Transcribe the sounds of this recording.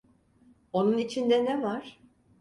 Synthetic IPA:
o̞nunit͡ʃʰind̪ɛnɛvaɾ̥

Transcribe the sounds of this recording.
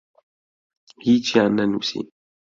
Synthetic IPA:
hit͡ʃiananṵsḭ

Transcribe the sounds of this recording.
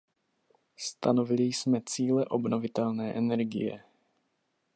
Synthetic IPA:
st̪anovɪlɪjsmɛt͡siːlɛʔobnovɪt̪ɛlnɛːʔɛnɛɾɡɪ̰jɛ̰

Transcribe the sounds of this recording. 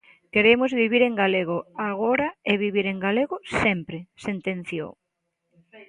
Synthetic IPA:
keɾemʊzβiβ̞iɾeŋɡaleɣoaɣoɾaeβiβiɾeŋɡaleɣʊsɛmpɾesent̪ẽnθjo̰w

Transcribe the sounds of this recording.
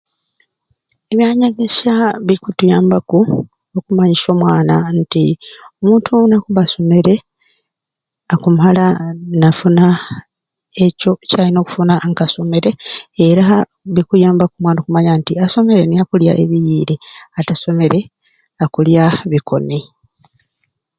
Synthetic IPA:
eβjaɲaɡesaβikutujaːmbaku | okumaɲiso̞ːmwaːnantiomuːntʰunakuβaso̞me̞ɾe̞ | akumalanafuna | eco̞calino̞ːku̥funaŋkaso̞me̞ɾe̞ːɾa | βikujaːmbakumwaːnokumaɲantiaso̞me̞ɾenejakulja̰ʔe̞βijiːɾeataso̞me̞ɾe̞ | akuljaβikʰo̞̰ni

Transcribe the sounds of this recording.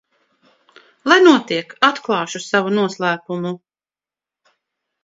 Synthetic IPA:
lˠajnuɔt̪iɛkat̪klˠɑːʃusavunuɔslˠæːpumu

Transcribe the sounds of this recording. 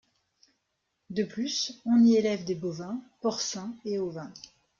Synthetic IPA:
d̪əplysɔ̃nielɛvd̪ebovɛ̃pɔʁsɛ̃eovɛ̃

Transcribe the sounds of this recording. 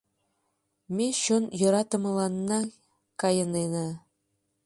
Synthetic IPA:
mʲeɕonjɤ̆ɾɑt̪ɤ̆mɤ̆lˠɑnːɑ | kɑjɤ̆nena

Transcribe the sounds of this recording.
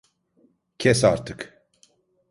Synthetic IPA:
cʰɛsa̰ɾt̪ʰɯk

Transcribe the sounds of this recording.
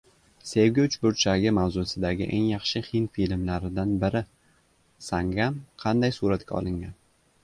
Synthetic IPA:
se̞wɡʲot͡ʃbʊɾt͡ʃʰaɡʲɪmawzʊsɪd̪aɡʲɪʔeŋjɑχʃɪhɪnfilmlaɾɪd̪anbɪɾɪ | saŋɡamqʰɑnd̪ajsuɾat̪kʲa̰ɒ̰lˠɪŋɡʲan

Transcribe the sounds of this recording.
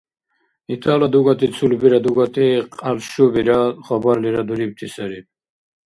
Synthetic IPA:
it̪ʰalad̪uɡat̪it͡sʰulbiɾɐd̪uɡat̪iqalʃubiɾaχɔbaɾliɾɐd̪uɾib̚t̪ʰisɐɾi

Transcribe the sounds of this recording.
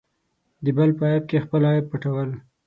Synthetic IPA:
d̪əbalpəɑjab̚kexpəlɑjɪb̚pəʈawəl

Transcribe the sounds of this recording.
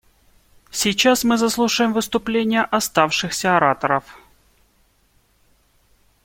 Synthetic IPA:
sʲɪjt͡ɕasmɨzɐslˠuʂɨjɪmvɨst̪ʊplʲenʲɪjəʔɐst̪afʂɨxsʲəɐɐɾat̪əɾəf

